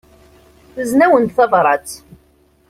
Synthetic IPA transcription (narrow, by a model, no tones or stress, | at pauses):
θəznæwənt̪θɑðˤɾˤɑt͡s